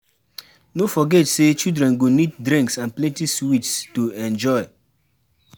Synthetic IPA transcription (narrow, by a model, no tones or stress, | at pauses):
nofɔɡɛtset͡ʃildɹɛ̃nɡonid̚dɾĩŋksãnplɛ̃ntiswit͡ʃstoɛ̃nd͡ʒɔɪ